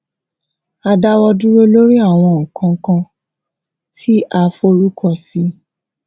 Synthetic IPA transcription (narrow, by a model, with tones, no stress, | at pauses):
a˧da˧wɔ˧du˦ɾo˦lo˦ɾi˦a˦˨w̃ɔ̃˧˨kã˧˦kã˧ | tʰi˦ʔa˧fo˦ɾu˦kʰɔ˧˨si˦